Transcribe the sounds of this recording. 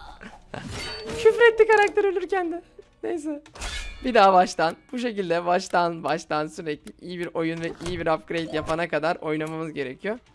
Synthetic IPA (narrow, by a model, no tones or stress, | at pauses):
cʰyfɾɛt̪ːʲikaɾak̚t̪ʰeɾølʲyɾcænd̪ɛnejs̬ɛbid̪aːbaʃt̪ʰanb̥uʃ̬e̞cilʲd̪ɛbaʃt̪ʰanbaʃt̪ʰansyɾɛclʲiʔijibiɾo̞junvɛʔijibiɾapɡɾe̞jt̪japʰanakad̪aɾo̞̰jnamamɯzɟe̞ɾecʰijo